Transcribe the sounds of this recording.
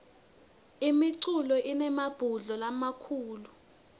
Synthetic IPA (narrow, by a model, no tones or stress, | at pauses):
imiǀulɔʔinɛmab̥ʱuɮɔlamakʰuːlu